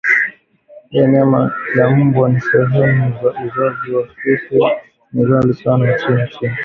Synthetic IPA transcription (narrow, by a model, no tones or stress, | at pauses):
hiɛɲamalam̩bwɔnisɛɦɛmuzaʔizaziwafikɛ | nizalisanant͡ʃint͡ʃin